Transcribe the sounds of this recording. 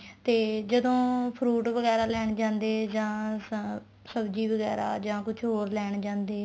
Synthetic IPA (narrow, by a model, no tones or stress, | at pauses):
t̪eːd͡ʒəd̪õːpʰɾuːʈʋəɣɛːɾaːlɛːɳd͡ʒãːnd̪eːd͡ʒãː | səbd͡ʒiːʋəɡɛ̰ːɾa̰ːd͡ʒãːkʊt͡ʃʰɦoːɾlɛːɳd͡ʒãːnd̪eː